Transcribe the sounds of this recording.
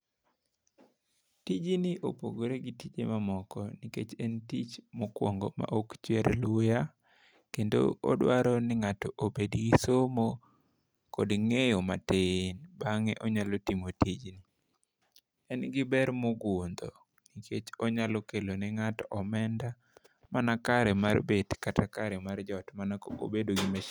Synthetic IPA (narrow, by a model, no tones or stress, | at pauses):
tid͡ʒiniʔopo̰ɡoɾeɡitid͡ʒḛmamɔkɔniket͡ʃɛntit͡ʃmɔkwɔ̰ŋɡɔma̰ʔokt͡ʃwɛɾlʊja | kendo̰ɔ̰dwaɾɔnɪŋatɔʔobediɡisomo | kɔdŋejoma̰tenbaŋeʔɔɲalɔtimotid͡ʒn | ɛnɡɪbɛɾmɔɡond̪o̰ | nikʰet͡ʃɔɲalɔkelonɛŋatɔʔɔmɛnda | manakaɾɛmarbedkatakaɾɛmard͡ʒɔtmanao̰bedoɡima